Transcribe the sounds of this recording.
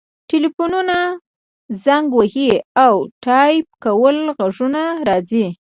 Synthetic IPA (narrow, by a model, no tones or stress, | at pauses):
ʈilifununa | zaŋɡwahiawʈɑjp̚kawəlɣaʐunaɾɑzi